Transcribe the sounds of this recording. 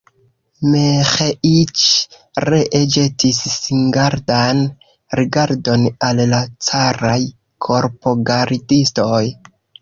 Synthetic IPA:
mexeʔit͡ʃ | ɾeʔed͡ʒetisːiŋɡaɾdan | ɾiɡaɾdo̞nallat͡saɾaj | kʰo̞ɾpo̞ɡaɾidisto̞j

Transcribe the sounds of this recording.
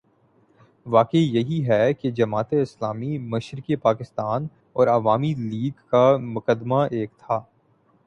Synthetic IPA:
ʋaːkeijɐɦiɦɛked͡ʒɐmaːt̪eɪslaːmimɐʃɾɪkipaːkɪst̪aːn | ɔːɾɐʋaːmiliːɡkamʊkəd̪maʔeːkt̪ʰaː

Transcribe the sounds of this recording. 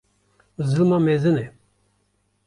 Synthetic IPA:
zɨlmamezɨnɛ

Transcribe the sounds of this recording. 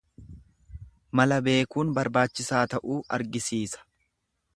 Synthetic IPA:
mɐlɐbe̞ːkuːnbɐɾbaːt͡ʃːɪsaːt̪ɐʔuːʔɐ̰ɾɡɪsiːsɐ̥

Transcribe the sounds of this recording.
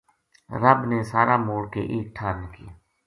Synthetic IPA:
ɾəbneːsaːɾaːmoːɽkḛːʔeːk̚ʈʰaːɾnəki

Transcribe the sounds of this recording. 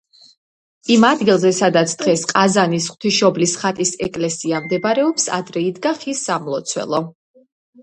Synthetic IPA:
imad̪ɡilˠzɛsad̪at̪sʰd̪̥ʁɛsqʼazanisχwt̪ʰiʃɔblisχat̪ʼisɛkʼlɛsiamd̪ɛbɾɛɔpsa̰d̪ɾɛid̪ɡaχisːamlˠɔt̪sʰwɛ̰lˠɔ

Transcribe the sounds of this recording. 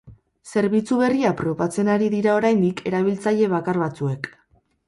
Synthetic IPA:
se̞ɾβit͡suβe̞riapɾo̞βat͡se̞naɾiðiɾao̞ɾajnd̪ikʰe̞ɾaβ̞ilt͡saje̞β̞akaɾβat͡sue̞k

